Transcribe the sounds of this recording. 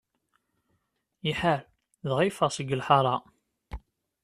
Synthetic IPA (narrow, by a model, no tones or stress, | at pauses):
iħaɾ | ðʁifəʁsəɡːəlħɑɾˤɑ